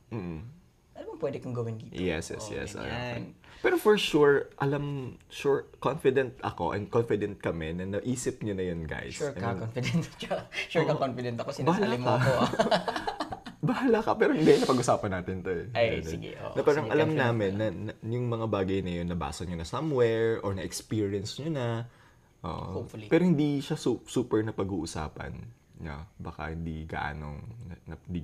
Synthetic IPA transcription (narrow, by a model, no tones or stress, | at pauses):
m̩ːʔ̩ | ʔɐlɐmɐŋpwɛd̪ɪkɐŋɡɐwɪnɡiːtjɛ̰sjɛ̰sjɛ̰sɐ̰a̰pɛːɾofɔɹʃuɹʔɐlamʃuɹkonfɪd̪ɛnt̪̚ʔɐ̰ko̞ʔɐ̰nd̪̚konfɪd̪ɛnt̪̚kɐmɛnɐnɐʔiːsɪp̚ɲonɐjʊnɡa̰jsukɐkonfɪd̪ɛnt̪t͡ʃɐʃukɐkonfɪd̪ɛnt̪ɐkosɪbahalaɪmkɐo | bɐhalakɐpɛːɾoɪnd̪ɛɪnɐpɐɡʔʊsaːpɐnːaːt̪ɪnt̪oɛaj̪ɪɡɛ̰ʔo̰ʔɐpaɾɐŋʔɐlɐmnaːmɪnːɐnɐjʊŋmɐŋabaːɡɐjnɐjo̞nːɐba̰ːsɐɲonɐsɐmwɛɹʔoɹnɐʔɛkspiːɹɪɐnsɲonɐ | ʔo̰ːʔo̰oflpɛːɾohɪnd̪iʃasusuːpɛɹnɐpɐɡuːʔʊsa̰ːpɐ̰n | ɲɐ̰bɐka̰hɪnd̪iɡɐ̰ʔa̰ːno̰ŋɐɐnd̪i